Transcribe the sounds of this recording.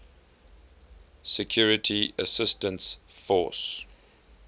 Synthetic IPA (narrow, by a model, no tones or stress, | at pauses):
sɛkʰjuɹɪtʰiəsɪstə̃nsfɔˑs